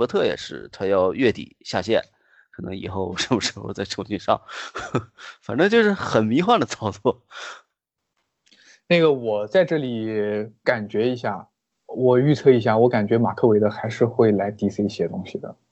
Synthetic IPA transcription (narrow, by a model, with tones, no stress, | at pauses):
t̪ʰɤ˥˩jɛ̰˨˩ʂɻ̩̰˥˩t̪ʰa˥˧jɑ˥˧ʊɥɛ˥˩t̪ḭ˨˩˦ɕja̰˥˧ɕjɛ̰˥˩n | kʰɤ˨˩nɤ˧˥ŋi˨˩xo˥˧ʊʂə˧˥nmə˨˩ʂ̩˥xo˥˧ʊt͡sa˥˩ɪʈ͡ʂʰo˨˩ʊt͡ɕi˥˧nʂɑ̰˥˩ŋ | fa̰˨˩nʈ͡ʂɤ˥ŋt͡ɕjo˥˧ʊʂɻ̩˥˩xə˨˩nmi˧˥xwa˥˩nd̪ə˩t͡sʰɑ˥˩ʊt͡swɔ˥˩ | na˥˩ɡə˩wɔ˨˩t͡sa˥˧ɪʈ͡ʂɤ˥˩li˨˩ka˨˩nt͡ɕɥɛ˧˥i˧˥ɕja˥˩ | wɔ˨˩y˥˧t͡sʰɤ˥˩i˧˥ɕ̬ja˥˩wɔ˧˥ka˨˩nt͡ɕɥɛ˧˥ma̰˨˩kʰɤ˥˩we˧˥ɪə˧xa˧˥ɪʂɻ̩˥˧xwe˥˩ɪla˧˥ɪt̪i˧˥t͡sʰɹ̩˥˧i˥˩ɕjɛ˥t̪ʊ˥ŋɕi˨˩d̪ə̰˩